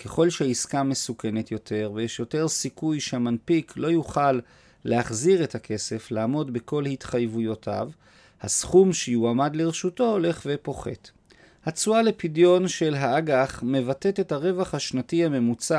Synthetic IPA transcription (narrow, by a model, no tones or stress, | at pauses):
ke̞χo̞lʃeiskame̞suke̞ne̞t̪jo̞tʰe̞ʁvejeʃjo̞te̞ʁsikujʃeamanpikʰlo̞juχalː | eaχziʁethakʰe̞se̞flaːmo̞dbeko̞lhitχajvujo̞tʰa̰v | hasχumʃejuamadleʁeʃuto̞ole̞χvepo̞χe̞̰t | hat͡suale̞pidjo̞nʃe̞lɦaaɡaχme̞vate̞te̞thaʁe̞vaχhaʃnatihame̞mut͡sa